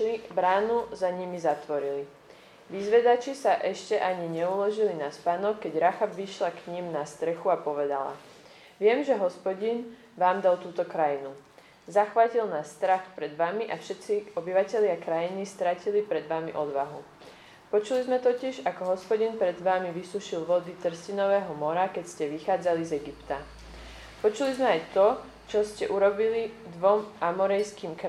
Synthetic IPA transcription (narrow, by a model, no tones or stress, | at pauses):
libɾaːnuzaɲimizat̪ʋɔɾili | ʋizʋɛd̪at͡ʃisaʔɛʃcɛʔaɲiɲɛulɔʒilinaspanɔkkːɛɟɾaxabʋiʃlakɲimnast̪ɾɛxuapɔʋɛd̪a̰la̰ | ʋɪɛmʒɛɦɔspɔɟin | ʋaːmd̪alˠt̪uːt̪ɔkɾajinu | zaxʋacilnasːt̪ɾaxpɾɛd̪ʋamiʔafʃɛt̪t͡siɔbiʋacɛʎɪakɾajinist̪ɾacilipɾɛd̪ʋamiʔɔd̪ʋaɦṵ | pɔt͡ʃulizmɛt̪ɔcɪɛʒakɔɦɔspɔɟinpɾɛd̪ʋaːmiʋisuʃilʋɔd̪it͡s̪r̩scinɔʋɛːɦɔmɔɾakɛcscɛʋixaːd͡zalizɛɡipt̪a | pɔt͡ʃulizmɛajt̪ɔ | t͡ʃɔscɛʔuɾɔbilid̪ʋɔmʔamɔɾɛjskiːmk